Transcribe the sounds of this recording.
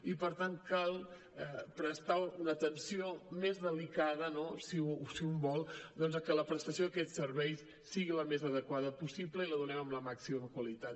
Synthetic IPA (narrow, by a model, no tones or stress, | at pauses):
ipəɾt̪aŋkalˠ | ɛpɾəst̪aunəːt̪ənsiomezðəlikaðənosisiumbɔlˠd̪ɔnzəkələpɾəst̪əsioəkɛtsəɾβɛjs | siɣiləmezəðəkwaðəpusibləiləðunɛməmləmaksiməmkwəlit̪at̪